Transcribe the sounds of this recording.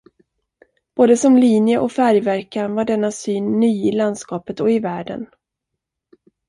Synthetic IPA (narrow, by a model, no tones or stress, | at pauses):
b̥oːd̪əsɔmliːnjəʔɔfæɾjvæɾkanvaɖɛnːasyːnːyːɪland̪skɑːpət̪ɔɪvæːɖə̰n